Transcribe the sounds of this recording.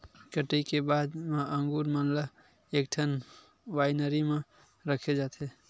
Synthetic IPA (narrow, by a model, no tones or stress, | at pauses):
kəʈəjkebad̪mãʔəŋɡuɾmənlə | ek̚ʈʰən | ʋajnəɾimẽ | ɾəkʰed͡ʒat̪e